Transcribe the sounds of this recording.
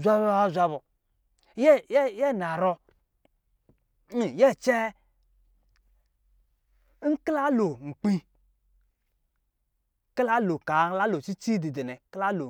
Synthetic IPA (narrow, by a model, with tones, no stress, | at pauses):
zʷa˦ba˦a˦zʷa˦βo˨ | jɛ˦jɛ˦˨na˨ɾɔ˦ | n˦˨jɛ˦˨t͡ʃɛ˦ | ŋ̩˦kla˦lo˨ŋ͡m̩˨k͡pi˦ | kla˦lo˨ka˨˦la˦lo˨t͡ʃi˦t͡ʃi˦di˨de˨nɛ˨kla˦lo˨